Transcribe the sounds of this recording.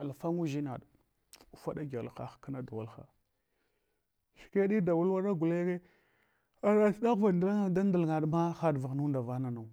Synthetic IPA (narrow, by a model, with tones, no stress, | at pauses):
a˨lfa˦ŋu˦ʒi˦na̰˨ɗ | u˨fa˦ɗa˦ɡa˨lxa̰˨xka˦na˦da˨wa˦lxa̰˨ | ʃi̥˨ke˦ɗi˦da˨wu˦lwa˦ɾa˦ɡu˨le˦ke˦ | a˨ɾa˦ɬda˦ɣva˨da˦la˦da˦n˦da˨lŋa˨dma˦xa˦dva˨ɣnu˦nda˨va˦na˨na˨